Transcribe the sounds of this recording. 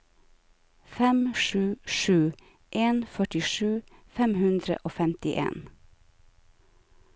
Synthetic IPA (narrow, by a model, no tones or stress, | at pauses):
fɛmʃʉːʃʉː | ʔeːnfœʈɪʃʉːfɛmhʉnd̪ɾə̰ʔoːfɛmt̪ɪʔḛːn